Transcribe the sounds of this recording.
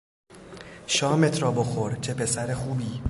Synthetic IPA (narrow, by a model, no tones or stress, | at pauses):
ʃɒːme̞t̪ʰɾɒːbo̞xoɾt͡ʃʰe̞pʰe̞sæɾexuːbiː